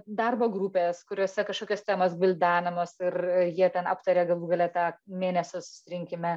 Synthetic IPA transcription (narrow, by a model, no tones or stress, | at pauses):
d̪ɐrboːɡɾupʲeːskʊɾʲoːsʲɛkɐʃkoːkʲoːst̪ʲæːmosbʲɪlʲd̪ɑːnʲɐmoːsɪrɪjiɛt̪ʲɛnɑ̰ːpt̪ɐɾʲeːɡɐlˠuːɡɐlʲɛt̪ɑːmʲeːnʲɛsʲʊsʊ̥sʲɪɾʲɪŋʲkʲɪmʲɛ